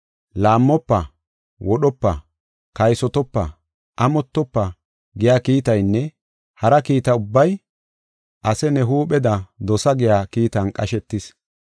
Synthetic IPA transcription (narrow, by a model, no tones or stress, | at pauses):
laːmːɔpːɐ | wɔɗɔpːɐ | kɐjsɔt̪ɔpːɐ | ʔɐmɔt̪ːɔpːɐ | ɡɪjaːkiːt̪ɐjnːɛ | hɐɾɐkiːt̪ɐʊbːɐj | ʔɐsɛnɛɦuːpɛd̪ɐd̪ɔsɐɡɪjaːkiːt̪ɐnkʼɐʃɛt̪ːɪs